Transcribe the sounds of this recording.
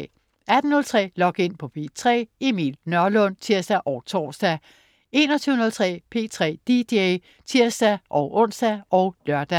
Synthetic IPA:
ʔæd̥n̩ɔ̽lt͡sʰʁɛ̰ːlɒ̽ɡ̥e̝n̰pʰɒ̽pʰe̝̰ːt͡sʰʁɛ̰ːemḭːlnɶɐlɔ̽nt͡sʰiɐsd̥æʔɒʊt͡sʰɒ̰ːsd̥æ | e̝ːnɒt͡sʰyːʊnɔ̽lt͡sʰʁɛ̰ːpʰe̝̰ːt͡sʰʁɛ̰ːd̥id̥e | t͡sʰiɐsd̥æʔɒʊʔɔ̽n̰sd̥æɒʊlɶɐd̥æ

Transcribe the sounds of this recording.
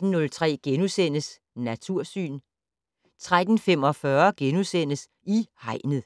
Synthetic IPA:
n̩ːɔ̽lt͡sʰʁɛ̰ːɡ̥enusen̰əs | næt͡sʰuɐ̰sy̰ːn | t͡sʰʁad̥n̩fem̰ɒ̽fɶɐɡ̥enusen̰əs | ihɑ̈ɪ̰nð̩ˠ

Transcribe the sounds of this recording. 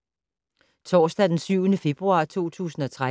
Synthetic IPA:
t͡sʰɒ̰ːsd̥æd̥ensyʊ̰nəfe̝b̥ʁuɑ̈ːt͡sʰo̝̰ːt͡sʰṵːsn̩ɒ̽t͡sʰʁa

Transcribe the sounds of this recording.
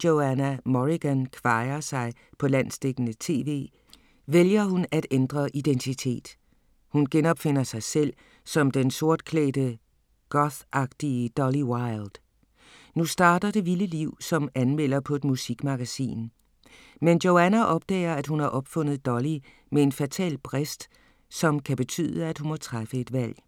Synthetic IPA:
djoænæmɒʁiɡ̥ænkʰʋɑ̈ɪɐsɑ̈ɪ | pʰɒ̽læn̰sd̥eɡ̥nət͡sʰe̝̰ːʋe̝̰ː | ʋeljɐhunæd̥end̥ʁɐʔid̥ent͡sʰit͡sʰe̝̰ːd̥ | hunɡ̥enɒ̽b̥fe̝n̰ɐsɑ̈ɪsel̰ | sɒ̽md̥enso̝ɐ̰d̥̚kʰlɛ̰ːd̥ə | ɡ̥ɒθʔɑ̈ɡ̥d̥iəd̥ɒliwɑ̈ɪld̥ | nusd̥ɑ̈ːd̥ɐd̥e̝ʋiləliʊ̰sɒ̽mænmel̰ɐpʰɒ̽e̝d̥musiɡ̥mɑ̈ɡ̥æsḭːn | mendjoʊænæʔɒ̽b̥̚d̥ɛ̰ːɐæd̥hunhɑ̈ʔɒ̽b̥fɔ̽n̰ð̩ˠd̥ɒ̽li | mee̝nfæt͡sʰɛ̰ːlb̥ʰʁesd̥ | sɒ̽mkʰæb̥e̝t͡sʰy̰ːðˠəæd̥hunmɒ̽t͡sʰʁafəe̝d̥ʋæl̰

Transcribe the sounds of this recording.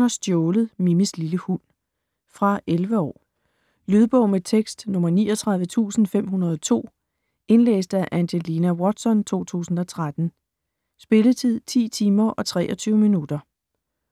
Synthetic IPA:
ɐsd̥jɔːləð̩ˠmimisliləhun̰ | fʁɑ̈ʔelʋəɒ̰ː | lyð̞ˠb̥ɔ̽ʊmet͡sʰeɡ̥sd̥nɔ̽mɐniːɒt͡sʰʁɑð̞ˠʋət͡sʰṵːsn̩fem̰ɦunɐð̞ˠɒ̽t͡sʰo̝̰ː | e̝nlḛːsd̥əæʔænɕelinæwɒd̥sɒ̽nt͡sʰo̝̰ːt͡sʰṵːsn̩ɒ̽t͡sʰʁad̥n̩ | sb̥e̝lət͡sʰið̞̰ˠt͡sʰḭːt͡sʰiːmɐʔɒ̽t͡sʰʁɛ̰ːʔɒ̽t͡sʰyːʊəminud̥ɐ

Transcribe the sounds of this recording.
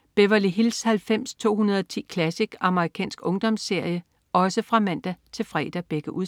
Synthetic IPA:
b̥eʋɐliɦilshælfem̰st͡sʰo̝̰ːhunɐðˠɒt͡sʰḭːkʰlæsiɡ̥ɑ̈məʁikʰɛ̰ːnsɡ̥ɔ̽ŋd̥ɒ̽msːe̝ɐ̰jə | ɒ̽səfʁɑ̈mæn̰d̥æt͡sʰe̝lfʁɛ̰ːd̥æb̥eɡ̥əʔu

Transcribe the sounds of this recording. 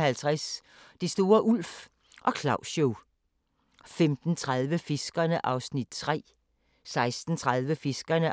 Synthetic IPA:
hælt͡sʰʁas | d̥isd̥o̝ːɐʔul̰f | ʔɒ̽kʰlɑ̈ʊɕo | femd̥n̩t͡sʰʁað̞ˠʋəfe̝sɡ̥ɐnəʔɑ̈ʊsnid̥̚t͡sʰʁɛ̰ː | sɑ̈ɪsd̥n̩t͡sʰʁäðˠʋəfe̝sɡ̥ɐnə

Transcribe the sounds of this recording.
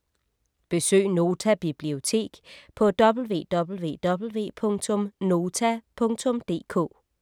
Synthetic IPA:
b̥e̝sø̰ːno̝ːt͡sʰæb̥ib̥lio̝t͡sʰe̝̰ːɡ̥pʰɒ̽d̥ɒ̽b̥l̩ʋe̝̰ːd̥ɒ̽b̥l̩ʋe̝̰ːd̥ɒ̽b̥l̩ʋe̝̰ːpʰɔ̽ŋt͡sʰɔ̽mno̝ːt͡sʰæpʰɔ̽ŋt͡sʰɔ̽md̥e̝̰ːkʰɔ̰ː

